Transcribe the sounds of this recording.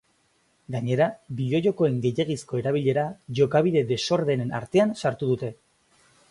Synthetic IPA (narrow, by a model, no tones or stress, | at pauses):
ɡaɲe̞ɾabiʎo̞ʎo̞ko̞e̞ŋɡe̞je̞ɣ̞isko̞e̞ɾaβ̞iʎe̞ɾaʝo̞kaβ̞iðe̞d̪e̞so̞ɾðe̞nena̰ɾt̪e̞ansaɾt̪uð̞ut̪e̞